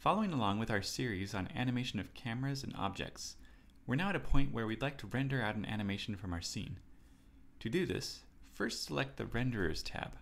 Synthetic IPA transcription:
fɑlˠoʊɪ̃ŋəlɔ̃ŋwɨðaʊə˞sɪɹizn̩æ̰nɨmeɪʃɨ̃nʌv̥kʰæmə˞ɨzɨ̃nɑ̰b̚d͡ʒɛ̰k̚ts | wɨɹnaʊɨɾɨpʰɔ̃ɪ̃nʔwə˞wilaɪk̚tʰəɹɛ̃ndə˞aʊɾ̃næ̰ñɨmeɪʃn̩fɹʌ̃maʊə˞sḭ̃n | tʰɨdɨðɪ̰sfɜ˞stsəlɛk̚t̪̚ðɨ̰ɹɛ̃ndə˞ə̰˞z̥tʰæ̰b̥

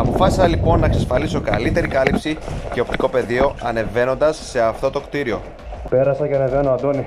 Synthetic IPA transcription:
ɐpo̞fɐsisɐlipo̞nːɐksɐsfɐliso̞kɐ̰lit̪e̞ɾikɐlipsice̞o̞p̚t̪i̥ko̞pe̞ðio̞ɐne̞ve̞no̞nd̪ɐsːe̞ɐft̪o̞t̪o̞kt̪iɾio̞ | pe̞ɾɐsɐceɐne̞venoɐnd̪oni

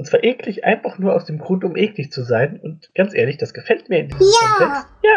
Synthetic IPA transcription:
ʔʊntt͡sv̥aːɐʔeːklɪçʔa̰ɪnfaχnuːɐʔa̰ʊsd̥eːmɡʁuntʊmʔeːklɪçt͡suzaɪnʊntɡ̥ant͡sʔeːɐlɪçd̥asɡ̥əfɛlt̚miːɐɪndiːzaɔnzɛsjaː

